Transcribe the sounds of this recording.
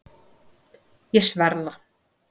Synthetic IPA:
jɛsvɛɾða

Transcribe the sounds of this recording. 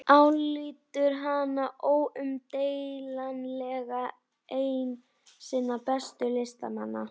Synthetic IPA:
awliːt̪ʏɾɦanaʔowʏmt̪eːjlanlɛɣa | eːjn | sɪːnːapɛst̪ʏlɪst̪a̰manːa̰

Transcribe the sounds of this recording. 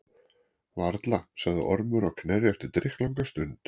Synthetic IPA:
vaɾt̪lasaɣðɪ̰ʔɔɾmʏɾɔɣkʰnɛrɪɛft̪ɪɾt̪ɾɪxkt̪lawŋkast̪ʏnt̪

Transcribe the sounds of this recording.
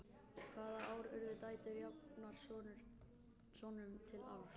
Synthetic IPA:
kʰvaːðaaːwɾœɾðɪt̪aːjt̪ɪɾjawpnaɾ̥sɔ | sɔnʏmt̪ʰɪla̰wɾ̥

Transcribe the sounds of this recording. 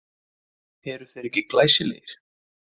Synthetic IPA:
hɛːɾʏ̥θejɾɛhcɪklaːjsɪlḛːjɪɾ̥

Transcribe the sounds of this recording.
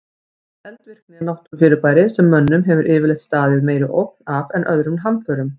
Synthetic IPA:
ɛlt̪vɪr̥knɪnawht̪ʏɾfɪːɾʏpaːjɾɪsɛmːœnːʏmɦɛvʏɾʔɪːvɪlɛjht̪st̪aːðɪðmeːjɾɪʔowk̚navɛnʔœðɾʏmnɦanfœːɾʏm

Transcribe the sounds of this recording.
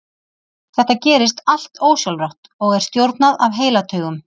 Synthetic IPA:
θɛht̪acɛːɾɪst̪al̥t̪oːwsjɔlrawht̪ɔɣɛɾ̥st̪jowɾt̪naðavɦeːjlat̪ʰœːɣʏm

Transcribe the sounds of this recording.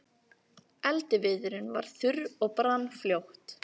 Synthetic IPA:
ɛlt̪ɪvɪðʏɾɪnva̰ɾ̥θʏɾɔɣpɾanːfljowht̪

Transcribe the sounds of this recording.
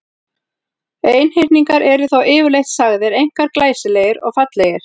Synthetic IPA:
eːjnhɪjɾniŋkaɾʔɛɾʏθawʔɪːvʏɾlejht̪saɣðɪɾejŋ̥kaɾklaːjsɪlejɪɾɔ̰ɣfat̪lɛjɪɾ̥

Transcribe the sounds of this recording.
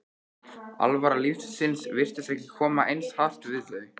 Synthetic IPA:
a̰lvaɾalifssɪnsvɪr̥t̪ɪsɛhcɪkʰɔːmaʔejnshaft̪vɪðθœɥ

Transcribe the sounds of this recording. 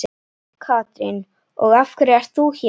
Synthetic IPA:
kʰaːt̪ɾɪ̰n | ɔ̰ɣafkʏɾɛr̥t̪θuç

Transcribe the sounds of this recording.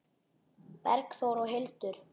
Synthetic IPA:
pɛɾkθoːwɾɔɣɦelt̪ʏɾ̥

